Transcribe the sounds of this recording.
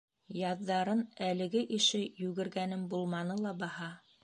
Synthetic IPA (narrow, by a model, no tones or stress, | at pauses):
jɑðːɑɾɤnælɘ̆ɡɘʔiʃɘjʉɡɘ̆ɾɡænɘmbulˠmɑnɤlˠɑbɑhɑ